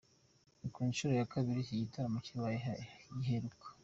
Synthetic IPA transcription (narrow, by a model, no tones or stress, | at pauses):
ikuːnʃuɾojakaβiɾicijitʰaɾamuciwajjiɦeɾukʰḁ